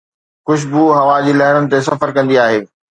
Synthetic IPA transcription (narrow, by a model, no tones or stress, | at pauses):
xʊʃbuɦɐʋad͡ʑiːlɐɦɪɽənɪ̆t̪es̬ɐfəɾkɐ̃nd̪iaːɦeː